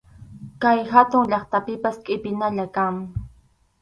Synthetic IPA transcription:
kajhat̪ʊŋʎɑχt̪apɪpaskʼɪpɪnaʎakaŋ

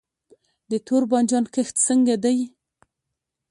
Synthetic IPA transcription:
d̪ət̪ʰoɾbɑnd͡ʒɑnkəxt̪səŋɡad̪aj

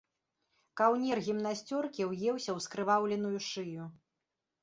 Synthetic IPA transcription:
kawnʲɛrɣʲimnasʲt͡sʲɔrkʲiwjɛwsʲɐwskɾɨvawlʲɛnujuʂɨju

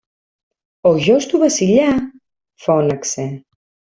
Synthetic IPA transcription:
oʒɔst̪uβasiʎa | fɔnəkse

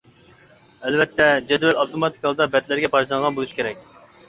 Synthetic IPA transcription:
ælvɛt̪ʰːɛd͡ʒɛd̪vɛlɑwt̪omɑt̪ʰi̥kɑlˠɨd̪ɑbɛt̪læɾɡʲɛpʰɑɾt͡ʃˠɑnʁɑnbolˠuʃi̥kʲʰeɾɛk̚ʲ

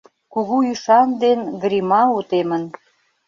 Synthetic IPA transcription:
kuɣuyʃɑnd̪enɡɾimɑut̪emə̆n

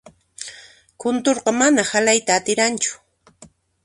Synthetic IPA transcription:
kʊnt̪oɾqɑmanahalajt̪aːt̪ɪɾant͡ʃʊ̥

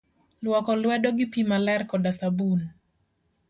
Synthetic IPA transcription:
lwɔkɔlwɛdɔɡɪpimalɛrkɔdasabun

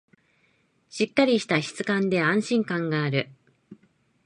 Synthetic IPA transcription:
ɕikːaɾʲiɕi̥t̪açi̥t͡sɨ̥kãnd̪e̞ãɰ̃ɕĩŋkãŋɡaːɾɯ̟

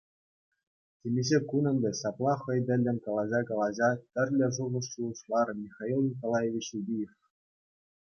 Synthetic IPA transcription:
tʲemʲeʑekunʲɤ̆nbʲeɕɑplˠɑχɤ̆jd̪ʲɘ̆lʲːɘ̆nʲkɑlˠɑʑɑkɑlˠɑʑɑt̪ʲɘ̆rʲlʲɘ̆ʐuʁɤ̆ʂɕuɤ̆ʂlˠɑrmʲixɑilˠnʲikolˠɑjeʋʲit͡ɕudʲijef

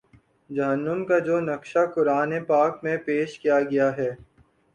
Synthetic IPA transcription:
d͡ʒɐɦənːəmkad͡ʒoːnɐkʃakʊɾaːnepaːkmẽpeːʃkijaɡɐjaɦɛː

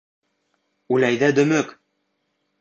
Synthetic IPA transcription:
ʉlæjðæd̪ɵ̆mɵk

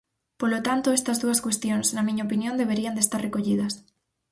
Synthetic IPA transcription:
polot̪ant̪oɛst̪ɐzðuɐskwest̪joŋsnɐmĩɲaɐopinjõnd̪eβ̞eɾiɐnd̪est̪aɾrekoʎið̞ɐs

